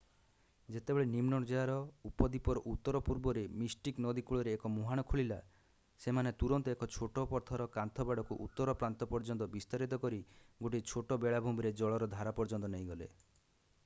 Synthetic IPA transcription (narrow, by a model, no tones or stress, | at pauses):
d͡ʒet̪ebeɭenimnɔɽd͡ʒɔjaɾɔupɔd̪ipɔɾɔʔut̪ːɔɾɔpuɾbɔɾemisʈiknɔd̪ikuɭɔɾeːkɔmuɦaɽ̃ɔkʰuɭila̰ | semanet̪uɾɔnt̪ɔekɔt͡ʃʰoʈɔpɔɾt̪ʰaɾɔkant̪ʰɔbaɽɔkuʔṵt̪ːɔɾɔpɾant̪ɔpɔɾd͡ʒɔnt̪ɔbist̪aɾit̪ɔkɔɾiɡoʈit͡ʃʰoʈɔbeɭabʱumbiɾed͡ʒɔɭɔɾɔd̪ʱaɾapɔɾd͡ʒɔnt̪ɔneĩɡɔlḛ